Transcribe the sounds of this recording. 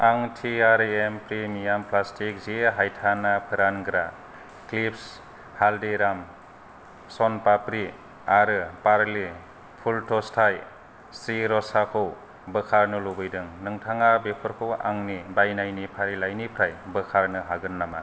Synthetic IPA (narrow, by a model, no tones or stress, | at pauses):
aŋtʰiaɾempɾimijampʰlastʰik̚ziɦajtʰanapʰɯɾanɡɾa | klips | haldiɾam | sɔnpapɾi | aɾɯpaɾli | pʰultɔstʰaj | siɾɔsakʰɯw | bɯkʰaɾnɯlobɯjdɯŋnɯŋtʰaŋabepʰɯɾkʰɯwʔa̰ŋnibajnajnipʰaɾilajnipʰɾajbɯkʰaɾnɯɦaɡɯnːama